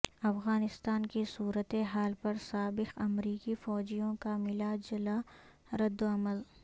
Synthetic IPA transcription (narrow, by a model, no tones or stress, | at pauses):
ɐfɣaːnɪst̪aːnkisuːɾət̪eɦaːlpɐɾsaːbɪqɐmɾiːkifɔːd͡ʒijõkamɪlad͡ʒɐla | ɾɐd̪ːoɐməl